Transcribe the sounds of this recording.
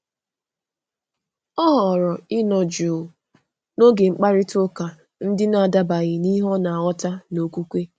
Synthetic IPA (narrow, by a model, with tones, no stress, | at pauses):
ɔ˦ɦɔ˨ɾɔ˨ɪ˦nɔ˨d͡ʒuː˨ | no˦ɡe˨ŋ͡m̩˦k͡pa˦ɾɪ˦tʊ˦ka˨ | n̩˦dɪ˦na˨a˨da˦ba˨ɣɪ˨ni˦ɦɔ˦na˨ɔ˦ta˦no˨kʷu˦kʷe˦